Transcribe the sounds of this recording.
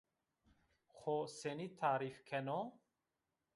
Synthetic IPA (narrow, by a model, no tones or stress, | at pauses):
χɔsenit̪ʰaɾifkʰɛnɔ